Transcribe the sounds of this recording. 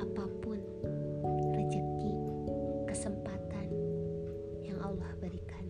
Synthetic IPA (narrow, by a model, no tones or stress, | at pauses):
apapʊn | rəd͡ʒək̪i | kəsəmpat̪an | jaŋʔɑlːɔhbəɾikan